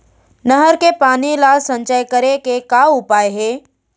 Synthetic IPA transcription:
nəɦəɾkepaːnilaːlsə̃ɲt͡ʃəjkəɾekekaʊpaːeɦeː

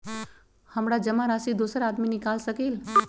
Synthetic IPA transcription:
həmɽad͡ʒəmaɾaːsid̪osəɾaːd̪minɪkaːlsəkeːl

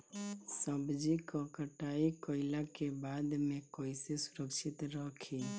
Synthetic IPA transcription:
səbd͡ʒikɔkəʈaikəɪlakebad̪mekoɪsesuɾəkʃɪt̪ɾəkʰi

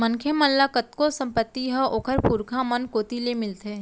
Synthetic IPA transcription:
mɐnkʰemɐnlakət̪kosɐ̃mpət̪ːiɦɐʔoːkʰəɾpuːɾkʰamɐnkoːt̪ilemɪlt̪e

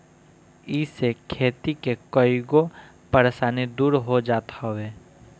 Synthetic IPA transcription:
iːsekʰeːt̪ikekɔiɡo | pəɾesaːned̪uːɾɦod͡ʒaːt̪aɦʋeː

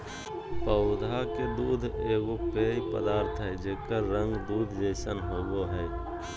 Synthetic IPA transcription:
pəʊd̪ʱaked̪uːd̪ʱeːɡopeːipə̰d̪aːɾt̪ʰɦɛd͡ʒeːkəɾə̃ŋɡd̪uːd̪ʱd͡ʒeːsənɦoːɡoɦɛː

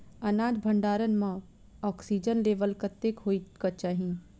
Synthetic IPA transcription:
ɐnaːd͡ʒ̪bʱə̃ɳɖaːɾənmã | ɔːksiːd͡ʒənleːʋəlkət̪ekɦoːikɐt͡ʃaːɦĩ

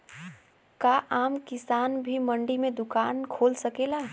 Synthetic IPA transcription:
kaʔaːmkɪsaːnbʱiməɳɖimẽd̪ʊkaːnkʰoːlsəkela

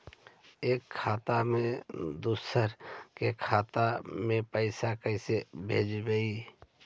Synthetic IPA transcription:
eːkʰːaːt̪amẽd̪usəɾkekʰaːt̪amẽpəɪsakəɪsebʱḛːd͡ʒɡəi

